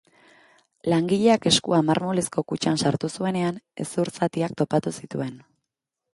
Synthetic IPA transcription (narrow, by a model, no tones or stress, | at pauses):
laŋɡiʎe̞ake̞skuamaɾmo̞lesko̞kut͡ʃansaɾt̪usue̞ne̞ane̞̰suɾsat̪iak̚t̪o̞pat̪usit̪ue̞n